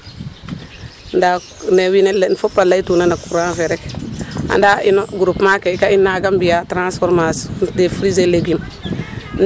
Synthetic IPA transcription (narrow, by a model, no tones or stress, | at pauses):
nda | newinelnfopːalaitunanakuɾafeɾeka̰ndainoɡuɾupmakeikainːaɡambijatɾãnsfoɾmasdefɾizeleɡun | n